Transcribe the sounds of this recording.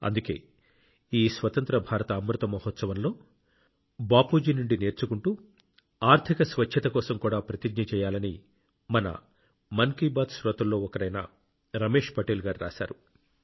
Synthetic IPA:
ɐ̰nd̪uke̞̰ː | iːsʋɐt̪ɐnt̪ɾɐbʱaːɾɐt̪ɐːmɾut̪ɐmɐɦɔt̪sɐʋɐnlo̞ː | baːpuːd͡ʒinuɳɖine̞ːɾt͡ʃukuɳʈuː | aːɾt̪ʰikɐsʋɐt͡ʃt͡ʃʰːɐt̪ɐkɔːsɐmkuːɽaːpɾɐt̪iɡɲɐt͡ʃɛːjaːlɐni | mɐnɐ̰ | mɐŋkibaːd̪sɾoːt̪ɐlːo̞ːɔkɐɾɐjna̰ː | ɾɐme̞ːʂpɐʈeːlɡaːɾiɾa̰ːsa̰ːɾu

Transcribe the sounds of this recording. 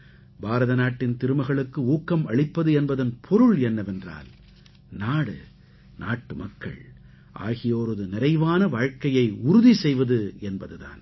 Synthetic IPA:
bʱaːɾɐðɐnaːʈːɪnt̪ɪɾɯmɐɪɣɐɭɯkːɯuːkːɐmɐɭɪpːɐðɯɛnbɐðɐnpʰɔɾɯɭɛnːɐʋɛndra̰ːl | naːɽɯ̰ | na̰ːʈːɯmɐkːɐ̰ɭ | ʔa̰ːɣɪjoːɾɔðɯnɪɾɐɪʋaːnɐʋaːɻkɐjɐɪʊɾʊðisɛjʋɐðɯɛnbɐðɯða̰ːn

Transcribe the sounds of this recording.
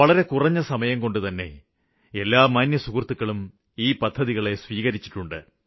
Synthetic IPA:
ɐɭɐɾe̞kurɐɲːɐsɐmɐjɐmko̞ɳɖɨt̪ɐnːe̞̰ | elːaːmɐnjɐsukrt̪ːukːɐɭum | iːpɐd̪ʱːɐðiɣɐɭe̞sʋiːɣɐɾit͡ɕːi̥ʈːuɳɖɨ̰

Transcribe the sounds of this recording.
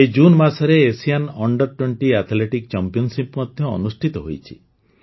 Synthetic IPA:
ed͡ʒunmasɔɾeːsijanɔɳɖɔɾʈweɳʈiat̪ʰleʈikt͡ʃampijɔnsipmɔd̪ʱjɔɔ̰nusʈʰit̪ɔɦo̰jt͡ʃʰi̥̰

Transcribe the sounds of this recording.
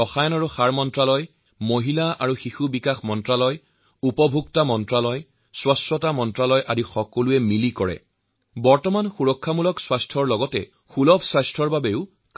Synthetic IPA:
ɔxajɔnaɹuxaɹmɔntɹalɔj | moɦilaʔaɹuxixubikaxmɔntɹalɔj | upɔbʱuktamɔntɹalɔj | swastɹɔtamɔntɹalɔjʔadixɔkoluɛmilikɔɹɛ̰ | bɔɹtɔmanxuɹɔkʰːamulɔkswastʰɔɹlɔɡɔtɛ̰ | xulɔbʰsajstʰɔɹbabeʊ | k

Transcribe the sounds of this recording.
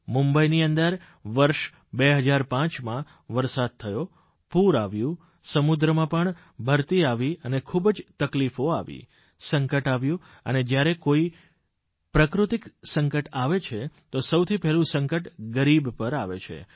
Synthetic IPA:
mumbəiniənd̪əɾ | ʋəɾʃ | beɦəd͡ʒaɾpãt͡ʃmã | ʋəɾsad̪̚t̪ʰəjo | puɾaʋjũ | səmud̪ɾəmãpəɳ | bʱəɾt̪iaʋiənekʰubd͡ʒt̪əklifoaʋḭ | səŋkəʈaʋjũ | ə̰ned͡ʒjaɾekoi | pɾəkɾut̪iksə̃ŋkəʈaʋet͡ʃʰet̪osəwt̪ʰipɛɦlũsə̃ŋkəʈɡəɾibpəɾaʋḛt͡ʃʰḛ

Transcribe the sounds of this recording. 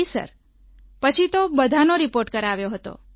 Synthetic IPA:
sə̰ɾ | pət͡ʃʰit̪obəd̪ʱanoɾipoɾʈkəɾaʋjoɦət̪o̰

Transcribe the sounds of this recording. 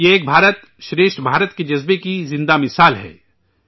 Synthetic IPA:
jeeːk̚bʱaːɾət̪ | ʃɾeːʃʈbʱaːɾət̪ked͡ʒɐzbekizɪ̃nd̪amɪsaːlɦɛ̰ː

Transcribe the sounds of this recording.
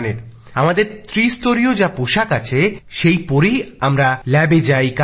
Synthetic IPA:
neɾ | amad̪eɾt̪ɾist̪oɾiod͡ʑapoʃakat͡ɕʰeʃejpoɾijamɾalɛbed͡ʑajka

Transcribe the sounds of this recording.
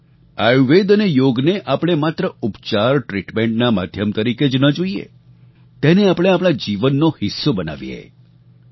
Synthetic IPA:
ajuʋed̪ənejoɡneʔapɽ̃emat̪ɾəupt͡ʃaɾʈɾiʈmẽɳʈnama̰d̪ʱjəmt̪əɾiked͡ʒnəd͡ʒoiḛ | t̪eneapɽ̃eapɽ̃ad͡ʒiʋənːohɪsːobəna̰ʋjḛ

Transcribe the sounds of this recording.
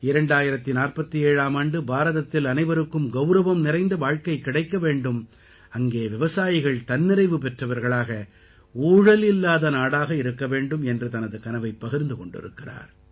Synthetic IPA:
ɪɾɐɳɖaːjɪɾɐt̪ːɪnaːrpɐt̪ːieːɻaːmaːɳɖɯbaːɾɐðɐt̪ːɪlɐnɐɪʋɐɾɯkːɯmɡɐʊɾɐʋɐmnɪɾɐɪnd̪ɐʋaːɻkɐɪkːɪɽɐɪkːɐʋeːɳɖɯm | ɐŋɡeːʋɪʋɐsaːjɪɣɐɭt̪ɐnːɪɾɐɪʋɯpɛʈrɐʋɐɾɣɐɭaːɣɐ | uːɻɐlɪlːaːðɐnaːɽaːɣɐɪɾɯkːɐʋeːɳɖɯmɛndrɯt̪ɐnɐðɯkɐnɐʋɐɪpːɐɣɪɾnd̪ɯkɔɳɖɪ̰ɾɯ̰kːɪra̰ːɾ

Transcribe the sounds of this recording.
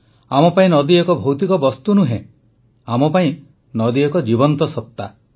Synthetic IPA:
amɔpaĩnɔd̪iekɔbʱowt̪ikɔbɔst̪unuɦḛ̃ | amɔpaĩ | nɔd̪iekɔd͡ʒibɔnt̪ɔsɔp̚t̪ːa

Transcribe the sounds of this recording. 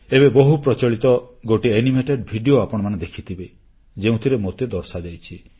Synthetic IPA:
ebebɔɦupɾɔt͡ʃɔɭit̪ɔɡoʈienimeʈeɖbʱiɖioapɔɽ̃ɔmaned̪ekʰit̪ʰibe | d͡ʒeũt̪ʰiɾemot̪ed̪ɔɾsad͡ʒajt͡ʃʰi

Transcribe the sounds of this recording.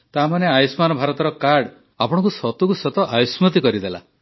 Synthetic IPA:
t̪amaneajɔsmanɔbʱaɾɔt̪ɔɾɔkaɾɽ | apɔɽ̃ɔ̃kusɔt̪ukusɔt̪ɔʔajusmɔt̪̬ikɔɾid̪ela̰

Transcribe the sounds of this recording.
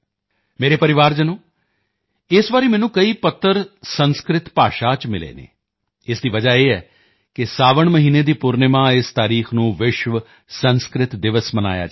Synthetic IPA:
meːɾeːpəɾɪʋaːɾd͡ʒənõː | ɪsʋaːɾiːmɛːnũːkəiːpət̪ʰːəɾsənskɾɪt̪pa̰ːʃaːt͡ʃmɪlḛːnḛː | ɪsd̪iːʋəd͡ʒaːeːɦɛː | kɪsaːʋəɳməɦiːneːd̪iːpʊɾnemãːɪst̪aːɾiːxʰnũːʋɪʃʋə | sə̃nskɾɪt̪d̪ɪʋəsməna̰ːja̰ː

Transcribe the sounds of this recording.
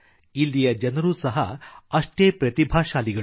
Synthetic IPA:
ilːijɐd͡ʒɐnɐɾuːsɐɦɐɐʂʈeːpɾɐt̪ibʱaːʃaːliɡɐ

